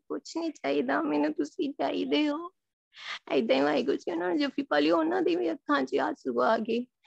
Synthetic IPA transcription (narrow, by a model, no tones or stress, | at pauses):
kʊt͡ʃʰnĩːt͡ʃaːiːd̪aːmɛːnũːt̪ʊsĩːt͡ʃaːḭːd̪eːoː | ɛ̰ɪd̪ãːĩaːikʊt͡ʃĩonãːnːd͡ʒofʰiːpaːliːoːnãːd̪iːʋiːəkʰːãːt͡ʃaːsʊɡaːɡeː